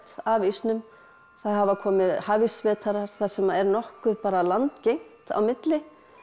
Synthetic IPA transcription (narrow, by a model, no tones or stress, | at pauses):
t̪aːvist̪nʏm | θaðɦavakʰɔːmɪðhaːvisvɛːt̪ʰaɾaɾ̥θaðsɛmɛɾnɔhkʏpaːɾalant̪cejŋ̥t̪a̰wmɪt̪lɪ